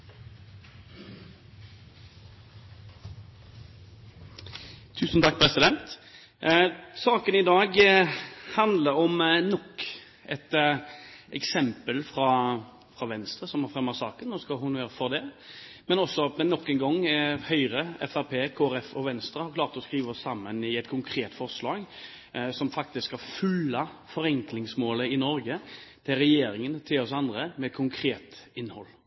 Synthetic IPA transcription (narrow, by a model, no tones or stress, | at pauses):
t̪ʰʉːsnt̪ʰɑk̚ːpʰɾɛsɪd̪ɛnt̪ | sɑːkənɪd̪ɑːɡ | hɑnd̪ləɾɔmnɔkː | ɛt̪ | ʔɛksɛmpəlfʁɑ | fɾɑʋɛnst̪ʁəsɔmhɑʁfʁɛmːəʁsɑ̰ːkənnoːskɑhʊnøːɾəfɔʁd̪ɛmɛnɔsːɔmɛnɔkːɛnɡɔŋːhœʏɾəɛ̰fæɾpʰeːkʰoːɛɾɛfɔʋɛnst̪ɾəhɑɾklɑːɾt̪ɔskɾiːʋəɔsːɑmːənɪɛt̪kʰʊŋkʰɾeːt̪fɔɾslɑːɡ | sɔmfɑk̚t̪ɪskhɑfʉlːɑfɔɾɛŋklɪŋsmoːləɪnɔɾɡət̪ʰɪlɾɛjeːɾɪŋənt̪ʰɪlɔsɑnd̪ɾəmɛɛt̪̚kʰʊŋkʰɾeːt̪ɪnːhɔ̰lː